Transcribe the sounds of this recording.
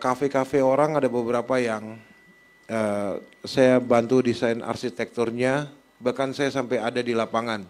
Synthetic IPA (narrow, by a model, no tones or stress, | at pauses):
kafekafeoɾaŋadabəbəɾapajaŋ | əsajabant̪udisainʔa̰rʃit̪ɛk̚t̪urɲa | bahkansajasampajadadilapaŋan